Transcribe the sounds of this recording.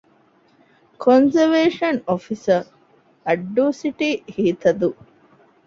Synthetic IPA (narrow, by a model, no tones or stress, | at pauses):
kʰonzəʋeːʂɐnofisə | ɐɖːuːsiʈihiːt̪ɐd̪u